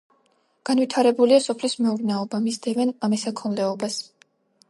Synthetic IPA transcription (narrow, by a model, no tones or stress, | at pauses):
ɡ̥anvit̪ʰaɾɛbuliasɔpʰlismɛuɾnɛɔbamisd̪ɛvɛnamɛsakʰɔnlɛɔbas